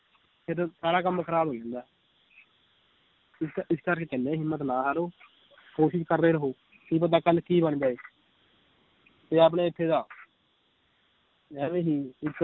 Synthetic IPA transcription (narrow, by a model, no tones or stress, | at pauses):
pʰɪɾsaːɽaːk̬əmːkʰəɾaːbʱoːd͡ʒãːnd̪aː | ɪsɪskəɾkeːkɛnẽːɦɪmːət̪nãːɦaːɾoː | koːʃɪʃkəɾːeːɾəɦoː | kiːp̬ət̪ːaːkəlkiːbəɳd͡ʒaːeː | t̪eːaːp̬ɽẽːɪt̪ʰːeːd̪aː | ɛːʋẽːɦiːɪt̪ː